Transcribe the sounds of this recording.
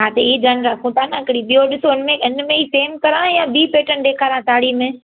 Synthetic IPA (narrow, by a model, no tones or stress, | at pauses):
ɦaːt̪eiːd͡ʒanɾakʰõt̪ʰaːnaɐkɽiɓioɗɪsoɪnmẽɪnmẽiseːmkɐɾãjãbiːpeːʈənɗeːkʰaːɾãtaːɽimẽː